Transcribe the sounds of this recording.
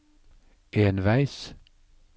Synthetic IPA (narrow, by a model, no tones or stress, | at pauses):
ʔeːnʋæɪs